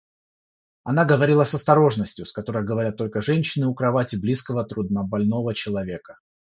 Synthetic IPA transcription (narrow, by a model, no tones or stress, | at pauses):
ɐnaɡəvɐɾʲilˠəsɐst̪ɐɾo̞ʐnəsʲtʲjʊskɐt̪o̞ɾəjɡəvɐɾʲat̪ːo̞lʲkəʐɛnʲɕːɪnɨʊkɾɐvatʲɪblʲiskəvət̪ɾʊd̪nəbɐlʲno̞vət͡ɕɪlˠɐvʲe̞kə̥